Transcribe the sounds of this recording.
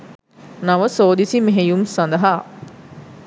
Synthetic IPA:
nɐʋəsoːd̪isimeɦejumsɐnd̪ɐɦaː

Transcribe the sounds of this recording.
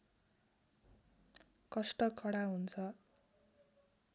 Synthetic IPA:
kʌsʈʌkʰʌɽaɦunt͡sʰʌ

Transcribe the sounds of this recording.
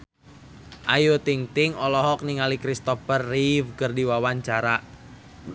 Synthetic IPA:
ʔajot̪iŋt̪ɪŋɔlɔɦɔk̚niŋalikɾist̪ɔfərːivkərdiwawaɲt͡ʃaɾaʔ

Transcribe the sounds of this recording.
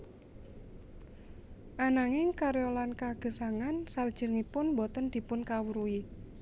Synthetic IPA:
ʔanaŋɪŋkaɾolankaɡ̥ə̤saŋansard̥ʒ̥ə̤rŋipʊnbɔt̪ənd̪̥i̤pʊnkawuɾui

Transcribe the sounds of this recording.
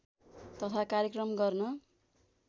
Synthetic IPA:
t̪ʌt̪ʰakaɾjekrʌmɡʌrnʌ

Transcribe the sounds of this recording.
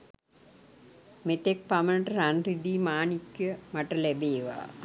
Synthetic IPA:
met̪ek̚pɐmɐnʈɾanrid̪iːmaːnikjəmɐʈɐlebeːʋa̰ː

